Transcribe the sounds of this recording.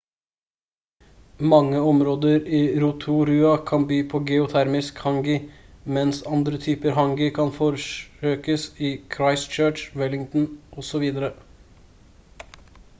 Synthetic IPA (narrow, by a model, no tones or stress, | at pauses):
mɑŋːəɔmɾoːd̪əɾiːɾʊt̪ʰuɾʉːɑkʰɑnbyːpʰoːɡɛʊt̪ʰæɾmɪskhɑŋɡɪmɛnsɑnd̪ɾət̪ʰyːpəɾɦɑŋɡɪkʰɑnfɔɾəøːkəsɪːkʰɾɑɪst͡ʃøːʈʋɛlɪŋt̪n̩ʔɔsɔʋiːd̪əɾə